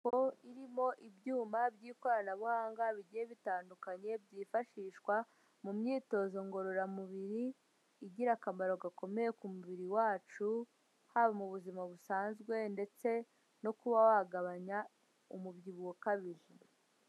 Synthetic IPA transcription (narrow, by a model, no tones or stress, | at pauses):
koiɾimo̞ʔibjuːmabɟiːko̞ɾanaβuhaːŋɡaβiɟijeβitaːndukaɲe̞bɟiːfaʃiːʃkwa | mumɲiːto̞ːzo̞ŋɡo̞ɾo̞ɾamuβiɾiː | ɟiɾakamaɾoɡako̞me̞je̞kumuβiɾiwaːt͡ʃu | haβamuβuzimaβusaːnzɡwe̞nde̞t͡se̞ | no̞kuβawaɡaβaɲa | umubɟiβuwokaβiɾi